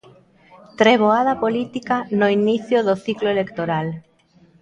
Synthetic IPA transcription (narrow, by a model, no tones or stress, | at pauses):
t̪ɾeβ̞oaðapolit̪ikanoiniθjoðoθikloelekt̪oɾal